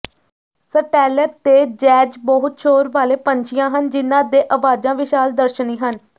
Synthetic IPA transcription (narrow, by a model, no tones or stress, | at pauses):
səʈɛːləɾt̪eːd͡ʒɛːd͡ʒbɔɦʊt̪̚ʃʰoːɾʋaːleːpəɲt͡ʃʰɪjãːɦənd͡ʒɪnːãːd̪eːʔəʋaːd͡ʒãːʋɪʃaːld̪əɾʃənĩːɦən